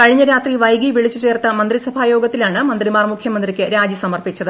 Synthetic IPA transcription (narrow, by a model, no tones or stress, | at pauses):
kɐɻiɲːɐɾaːt̪riʋɐjɡiʋiɭit͡ɕːut͡ɕe̞ːrt̪ɐmɐnd̪risɐbʱaːjo̞ːɡɐt̪ːilaːɳɨmɐnd̪rimaːrmukʰjɐmɐnd̪rikʲːɨɾaːd͡ʑɨsɐmɐrpit͡ɕːɐðɨ